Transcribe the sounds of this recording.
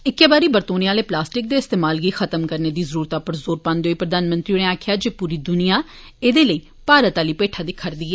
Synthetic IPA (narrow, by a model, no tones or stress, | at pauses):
ɪkːeːbaːɾiːbəɾt̪oːneaːleːplaːsʈɪk̚d̪eːɪst̪eːmaːlɡiːxət̪əmkəɾneːd̪iːzəɾuːɾt̪aːpəɾzoːɾpãːnd̪eoiːpɾəd̪aːnmə̃nt̪ɾiːneːaːkʰɪjaːd͡ʒeːpuːɾiːd̪ʊnijaː | eːd̪eːləiː | paːɾət̪aːliːpeːʈʰaːd̪ɪkʰːəɾd̪iːɛ